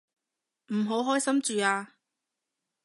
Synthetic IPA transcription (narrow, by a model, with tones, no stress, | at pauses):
m̩˨˩ɦo˨˥wɦɔː˥jsɐ˥mt͡ʃyː˨aː˧